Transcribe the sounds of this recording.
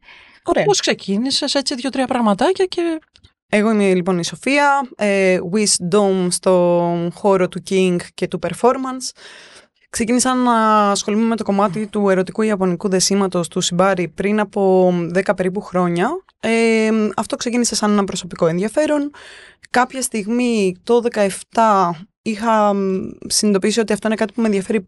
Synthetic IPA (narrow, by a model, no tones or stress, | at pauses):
oɾposkse̞cʰinise̞se̞t͡siðʝo̞t̪ɾiɐpɾɐɣmɐt̪ɐcɐce̞ | eɣo̞imelipo̞niso̞fiɐeɣwisd̪omst̪o̞xo̞ɾot̪uciŋɡce̞t̪upe̞ɾfo̞ɾmɐns | kse̞cinisɐnɐːsxo̞lumeme̞t̪o̞ko̞mɐt̪it̪ue̞ɾo̞t̪ikuiɐpo̞nikuðe̞simɐt̪o̞st̪usibɐɾipɾinɐpo̞ðe̞kɐpe̞ɾip̬uxɾo̞ɲɐ | eɐft̪o̞kse̞cinise̞sɐnenɐpɾo̞so̞piko̞e̞nðiɐfe̞ɾo̞nkɐpçɐst̪iɣmit̪o̞ðe̞kɐe̞ft̪ɐ | ixɐ | sinid̪opisio̞t̪iɐft̪o̞inekɐt̪ipumenðjɐfe̞ɾi